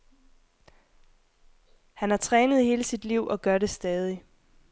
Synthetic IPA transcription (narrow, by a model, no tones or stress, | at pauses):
hænhɑ̈t͡sʰʁɛːnəð̞̩ˠhe̝ːləsid̥liʊ̰ʔɒ̽ɡ̥ɶɐɾe̝sd̥ɛːð̞ˠi